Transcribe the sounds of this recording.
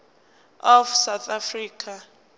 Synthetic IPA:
ɔfsawt̪ʰafriːkʰa

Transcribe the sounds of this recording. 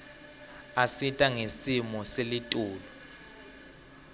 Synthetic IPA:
asitʼaŋesimɔselitʼuːlɔ

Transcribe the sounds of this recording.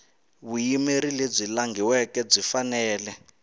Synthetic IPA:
βujimeɾileb͡ʐilaŋɡiwɛkɛb͡ʐifanɛːlɛ

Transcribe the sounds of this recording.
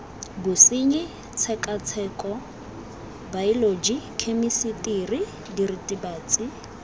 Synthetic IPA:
bʊsiɲɪ | t͡sʰɛkʼat͡sʰɛːkʼɔ | bailod͡ʒikʰemisitiri | diritʼibaːt͡sʼɪ

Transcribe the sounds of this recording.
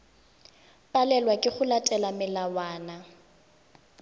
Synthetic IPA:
pʼalɛlwakʼɪχʊlatʼɛlamɪlawaːna

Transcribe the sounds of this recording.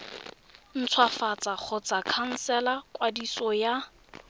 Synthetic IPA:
n̩t͡sʰwafat͡sʼak͡xʰʊt͡sakʰan̩sɛlakʼwadisɔja

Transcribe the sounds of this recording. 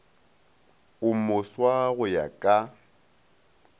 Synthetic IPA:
ʊmʊswaɣʊja̰kʼa

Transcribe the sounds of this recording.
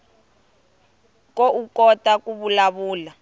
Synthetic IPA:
koʔukɔtakuβulaβuːla

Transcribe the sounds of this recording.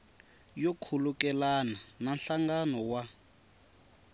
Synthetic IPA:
jɔkʰulukɛlanananɬaŋɡanɔwa

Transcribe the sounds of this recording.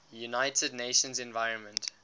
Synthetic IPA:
junaɪtʰədneɪʃə̃nzɛ̃nvaɪɹə̃nmə̃nt

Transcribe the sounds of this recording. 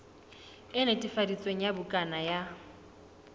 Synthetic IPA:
ɪnetʼifadit͡sʼweŋ̩jabʊkʼanaja

